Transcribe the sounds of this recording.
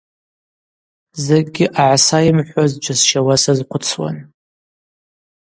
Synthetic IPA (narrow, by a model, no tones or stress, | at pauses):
zeɡʲɪʔaʕasajɪmħʷazd͡ʒʷʰasʃawasazqʷʰʊt͡sʰwa̰n